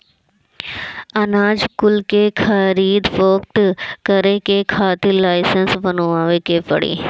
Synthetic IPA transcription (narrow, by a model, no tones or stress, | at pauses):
ɐnaːd͡ʑkʊlkeːkʰɐɾiːd̪foːkʈkɐɾekeːkʰaːt̪ilaːɪsənsʋɐnoaːʋekeːpɐ̰ɽḭː